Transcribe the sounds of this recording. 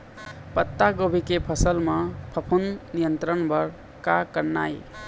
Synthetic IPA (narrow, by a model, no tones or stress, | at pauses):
pʌt̪ːaɡobʱikepʰʌsəlmʌpʰʌpʰunːijənt̪ɾənbʱʌɾ | kakəɾna̰j